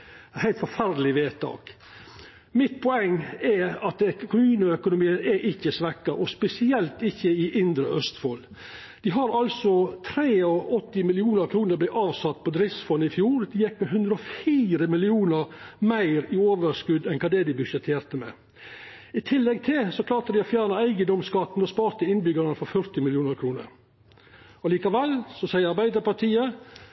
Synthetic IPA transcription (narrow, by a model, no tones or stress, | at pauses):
hæɪt̪fɔɾfæɾd̪əlɪʋeːt̪ʰɑ̰ːk | mɪt̪̚pʰɔɛŋːɛɑt̪̚ɛkʰʊmʉːnʊœkʊnʊmiːənɛʔɪçːəsʋɛkːɑʔɔspɛsɪɛlt̪ɪçːəɪʔɪnd̪ɾəʔœst̪foːl | d̪̥ɪɦɑɾɑlsɔt̪ʰɾeːɔʔɔt̪ːɪmɪlɪuːnəɾkʰɾuːnəɾb̪lɪɑːʋsɑt̪̚ːpʰɔd̪ɾɪsfɔnːɪfjuːɾd̪ɪjɛkmɛɦʉnd̪ɾəɔfiːɾəmɪlɪuːnəɾmæɪɾɪoːʋəɾskʉd̪ɛnkʰɑːd̪ɛd̪ɪbʉʂɛt̪ʰeːɾt̪əmɛ̰ | ɪt̪ʰɪlːɛɡ̚t̪ʰɪlsɔkʰlɑːɾt̪əd̪ɪɔfjæːɾɳəæɪɡəd̪ɔmskɑt̪nɔspɑːɾt̪əɪnbʏɡəɾnəfɔɾfœɾt̪ɪmɪlɪjuːnəɾkʰɾuːnə̰ɾ | ɔliːkɑʋɛlsɔsæɪəɾɑɾbæɪd̪əpɑʈ̪ʰiːə